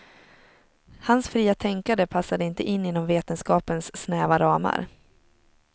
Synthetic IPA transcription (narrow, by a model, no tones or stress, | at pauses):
hansfɾiːat̪ʰɛŋkad̪əpʰasːad̪əɪnt̪əʔɪnːɪːnːɔmveːt̪ənskɑːpənsːnɛːvaɾɑːma̰ɾ